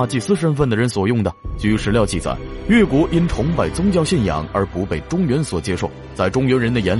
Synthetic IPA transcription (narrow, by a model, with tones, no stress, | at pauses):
t͡ɕi˥˧˩sɹ̩˥ʂə˥nfə˥˩nd̪ə˩ɻə˧˥nswɔ˨˩jʊ˥˩ŋd̪ə˩t͡ɕy˧y˧˥ʂɻ̩˧˥ljɑ˥˧ʊt͡ɕi˥˩t͡sa̰˨˩˦ɪɥɛ˥˩kwɔ˧˥ʔi˥nʈ͡ʂʰʊ˧˥ŋpa˨˩ɪt͡sʊ˥ŋt͡ɕjɑ˥˧ʊɕjɛ˥˩njɑ̰˨˩˦ŋə˞˧˥pu˧˥pe˨˩ɪʈ͡ʂʊ˥ŋɥɛ˧˥nswɔ˨˩t͡ɕjɛ˥ʂo˥˩ʊt͡sa˥˩ɪʈ͡ʂʊ˥ŋɥɛ˧˥nɻə˧˥nd̪ə˧jɛ˧˥n